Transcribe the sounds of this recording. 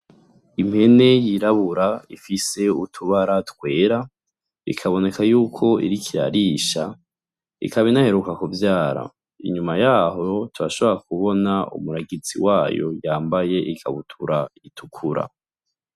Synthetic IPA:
imhe̞ne̞jiɾaβuɾaifise̞utʰuβaɾatkwe̞ːɾa | ḭkʰaβo̞ne̞kajuːkʰo̞ḭɾikʰiɾa̰ɾiːʃa | ḭkaβinahe̞ɾukakuvjaːɾa̰ | ḭɲumajaːɦo̞tuβaʃo̞βo̞ɾakuβo̞naṵmuɾaɡit͡sḭwaːjo̞̰jaːmbaje̞ʔika̰βutʰuɾaitʰukʰuɾa̰

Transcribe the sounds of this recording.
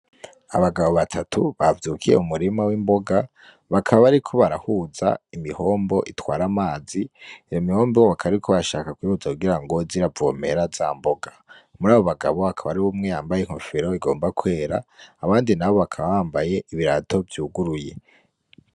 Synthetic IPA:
a̰βaɡaβo̞βatʰatʰuβavjuːkʰije̞̰umuɾimawiːmbo̞ɡa | βakʰaβaβaɾikʰo̞βaɾahuːza̰imiho̞ːmbo̞ʔitwaːɾamaːziijomiho̞ːmbooβakʰaβɾikʰoβaʃaːkakwiːhuzakuɡiɾaŋɡo̞ziɾavome̞ɾaz̥a̰mbo̞ɡḁmuɾaːβo̞βaɡa̰βo̞hakʰaβaɾiβumŋe̞jaːmbajeŋ̥ho̰fiɾo̞iɡo̞ːmbakwe̞ːɾaːβaːndinaβo̞βakʰaβaβaːmbaje̞iβiɾatʰo̞vjuːɡuɾuje̞

